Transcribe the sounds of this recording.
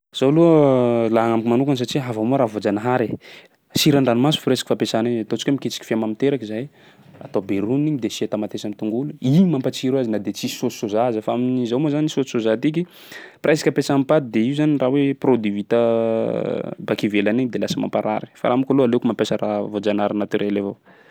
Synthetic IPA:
z̥aluəlaɦaŋamkimanukans̬aʈ͡ʂiɦavamuɾavod͡zanaɦaɾe | siɾaɳɖ͡ʐanimasu̥fuɾesḁkifapesaniɲt̪ot͡si̥kamiket͡si̥ki̥fiamamit̪eɾakizaj | a̰t̪obeɾuniɲid̪esiat̪amat̪esamit̪uŋɡuluimampat͡siɾuazinad̪et͡sisosozazəfaaminizawmozanisosozat̪ik̬i | prasḁkʲapesampad̪id̪eiuzaniraweprod̪ivit̪a | bakivelaniɲd̪elasəma̰mpaɾa̰ɾi̥fa̰ɾamukoloalekumampesəra̰vod͡zanɦaɾinat̪yɾelava

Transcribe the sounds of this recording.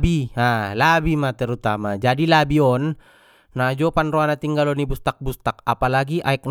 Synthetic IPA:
bialabimat̪ɛɾut̪amad͡ʒadilabiɔnː | ad͡ʒɔpanrɔanat̪iŋɡalɔnibust̪ak̚bust̪ak̚apalaɡiʔaɛk̚n

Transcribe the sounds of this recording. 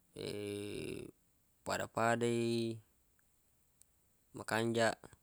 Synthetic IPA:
ḛ | padapadei | makaɲd͡ʒaʔ

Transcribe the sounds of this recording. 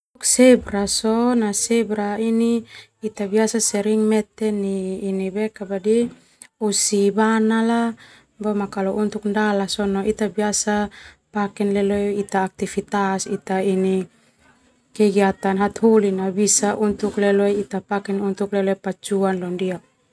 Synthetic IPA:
ksɛbɾasɔnasɛbɾainiːt̪abiasasɛɾiŋmɛt̪ɛniːnibɛkabadi | usibanala | bɔmakalɔʔunt̪ukndalasɔnɔʔit̪abiasa | pakɛnlɛlojit̪aːk̚t̪ifit̪asit̪aini | kɛɡiat̪anɦat̪hulinabisaʔunt̪uklɛlojit̪apakɛnunt̪uklɛloɛpat͡ʃuanlɔndia

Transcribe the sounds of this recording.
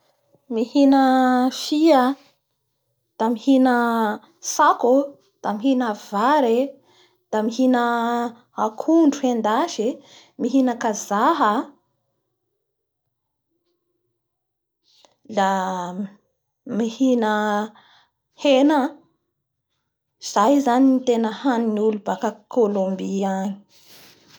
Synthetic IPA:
mihinəfiə | d̪̥amihinə | saku | d̪̥amiɦinəvaɾe | d̪̥amiɦinə | akʰuɳɖ͡ʐuhend̪aʃi | miɦinəkazaɦə | la | mihinə | henə | z̥ajzaninit̪enəhaniniulubakəkolombiani̥

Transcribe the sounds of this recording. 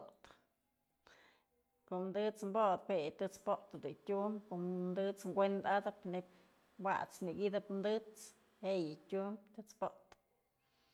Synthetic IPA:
t̪ | koʔmd̪ɨt͡smbod̪pejɨt̪ɨt͡spot̪ɨd̪ɨtʲumbkoʔmd̪ɨt͡sŋɡʷend̪ad̪ɨpnepʲ | wa̰ʔt͡sniɡid̪ɨpmd̪ɨt͡s | hejɨtʲumbt̪ɨt͡spoʔt̪ɨ̥

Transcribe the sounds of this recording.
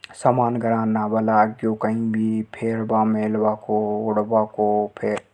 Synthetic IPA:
samaːnɡəɾaːnːaːbəlaːɡjokəĩbʱipʰeːɾbaːmeːlbaːkoʊɽbakopʰeːɾ

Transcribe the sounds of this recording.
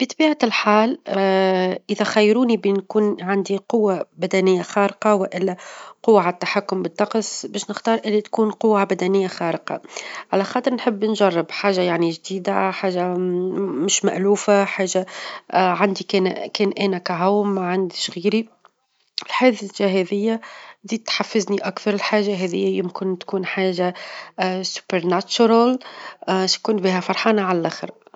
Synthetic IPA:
b̥ət̪ˤbiːʕatlħaːl | ʔɪðæxæjːɾuːnibɪnkuːnʕand̪iqʊwːabæd̪ænɪjːaxɑːɾɪqɑwɪʔɪlːæqʊwːaʕt̪ːaħakːʊmbɪt̪ːɑqsbɛːʃnɪxt̪ɑːɾˤʔɪlːit̪kuːnqʊwːabæd̪ænɪjːaxɑːɾəqɑ̰ʕalæxɑːt̪ˤəɾnħəbːnʒɑrˤːɪbħaːʒajaʕniʒd̪iːd̪aħaːʒa | mʊʃma̰ʔluːfaħaːʒa | ʕand̪ikːnkɛːnʔæːnækæɦʊwmːaʕand̪ɪʃɣiːɾi | ɪlħaːðʒaɦɛðɪjːæd̪iːt̪ħafːɪzniʔakθɑɾˤɪlħaːʒaɦɛðɪ̰jːæjʊmkɪnt̪kuːnħaːʒa | sʊ̥pəɾnæt͡ʃʊɾal | ʃkʊːnbiːɦæfɑɾˤħɑːnaʕalælʔæːxə̰ɾ

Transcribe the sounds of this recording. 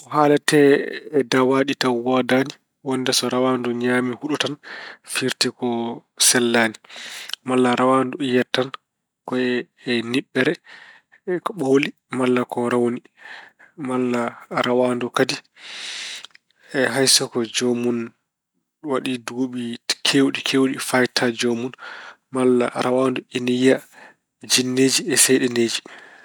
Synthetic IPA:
ɔhaːlatɛːdawaɗitawwadani | wɔndɛsɔɾawanduɲamihuɗutanfiɾtikɔsɛlːaːnimalːaɾawandujɛtːan | kɔɛː | niɓːɛɾɛ | ɓoli | malːakɔɾawni | malːaɾawandɔkadi | ɛɦajsɔkɔd͡ʒɔmun | waɗiduɡoɓikʰewɗikʰewɗifajtʰad͡ʒomun | malːa̰ɾawaːnduinija | d͡ʒinːeːd͡ʒiɛsɛjɗɛneːd͡ʒi

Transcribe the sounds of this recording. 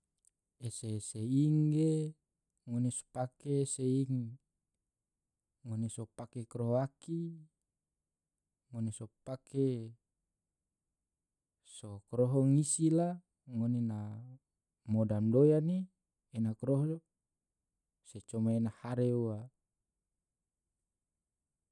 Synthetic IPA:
eseseiŋɡe | ŋoneso̥pakeseiŋ | ŋonesopakekɾoɦoaki | ŋonesopake | sokɾɔɦɔŋisila | ŋonena | modamdojaniː | nakɾoɦɔ | set͡ʃomaenahaɾeua

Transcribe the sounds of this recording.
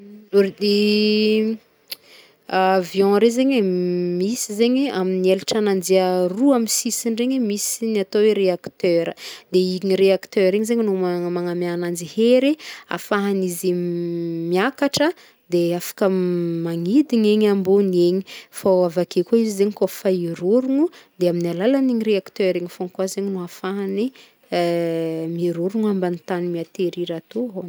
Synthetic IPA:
oɾd̪i | vjɔ̃ɾezeɲemisizeɲiaminielaʈ͡ʂanand͡ʒiəruamisisiɳɖ͡ʐeɲimisinat̪oweɾeakt̪øɾəd̪eiŋiɾeakt̪øɾeɲizeɲinumamaŋamanand͡ʒiheɾea̰faɦanizi | miakaʈ͡ʂə | d̪eafḁkəmaŋid̪iŋeɲambuneɲi̥fawavakekoizizeɲikofaiɾuɾuŋud̪eaminalalaniŋiɾeakt̪øɾeŋifoŋkwazeɲinuafaɦani | miɾuɾuŋambanit̪animiat̪eɾiɾat̪oɦon

